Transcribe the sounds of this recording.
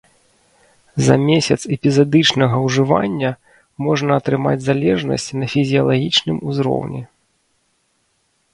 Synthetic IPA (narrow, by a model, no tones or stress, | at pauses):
zɐ̰mʲesʲɐt̪sɛpʲizad̪ɨt͡ʂnɐɣɐwʐɨva̰nʲːɐ | mɔʐnɐːt̪ɾɨma̰d͡zʲzalʲɛʐnɐ̰sʲt͡sʲnɐfʲizʲijɐlˠaɣʲit͡ʂnɨmuzɾɔ̰wnʲɛ